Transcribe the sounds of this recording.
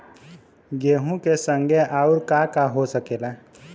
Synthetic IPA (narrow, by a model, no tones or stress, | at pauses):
ɡeːɦũkesə̃ŋɡʱeʔauɾkakaɦosəkeːla